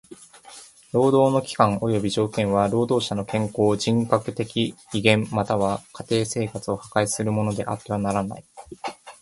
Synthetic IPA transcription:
ɾo̞ːd̪o̞ːno̞kʲi̥kãŋo̞jo̞bʲiʑo̞ːkẽ̞ɰ̃βaɾo̞ːd̪o̞ːɕano̞kẽ̞ŋko̞ːd͡ʑĩŋkakɯ̟t̪e̞kʲiiɡẽ̞mːat̪aβakat̪e̞ːse̞ːkat͡sɨo̞hakaisɨɾɯ̟mo̞no̞d̪e̞̰ʔa̰t̪ːe̞β̞anaɾana̰i

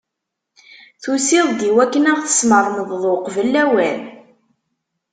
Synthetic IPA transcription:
θusɪðˤd̪iwækːənæʁθə̥sməɾˤməððˤoqvəlːæwæn

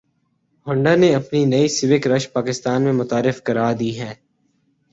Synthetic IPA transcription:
ɦʊ̃ɳɖaneɐpninɐisɪʋɪkɾɐʃpaːkɪst̪aːnmẽmʊt̪aːɾɪfkɐɾaːd̪iːɦɛː

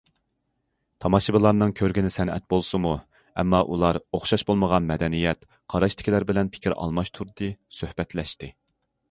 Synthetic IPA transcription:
t̪ʰɑmɑʃɨbɨlˠɑɾnɨŋkʲʰøɾɡʲɪnɪsɛnɛ̰t̪̚bolˠsɨmu | ɛmːɑʔulˠɑɾoχʃɑʃbolˠməʁɑnmɛd̪ɛnijɛt̪̚ | qʰɑɾɑʃt̪ʰɪ̥kʲilæɾbɪlɛnpʰɪ̥kʲʰiɾɑ̰lˠmɑʃt̪ʰuɾd̪ɨsøhbɛt̪lɛʃt̪ɪ

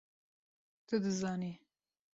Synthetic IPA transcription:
t̪ʰəd̪ɨzɑːni

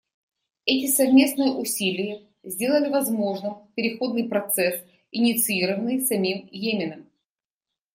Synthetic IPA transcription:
ɛtʲɪsɐvmʲe̞snɨjəʔʊsʲilʲɪjə | zʲdʲe̞lˠəlʲɪvɐzmo̞ʐnɨmpʲɪɾʲɪxo̞d̪nɨjpɾɐt̪sɛs | ɪnʲɪt̪sɨiɾəvənːɨjsɐmʲimjemʲɪnəm

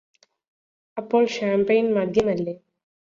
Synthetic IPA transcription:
ɐpːoːɭɕaːmpejnmɐd̪ʱjɐmɐlːeː

